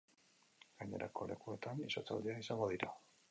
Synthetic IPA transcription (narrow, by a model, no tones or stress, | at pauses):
ɡ̥aɲe̞ɾʔa̰ko̞le̞kue̞t̪anisot͡sa̰wd̪eaisaŋɡo̞ðiɾa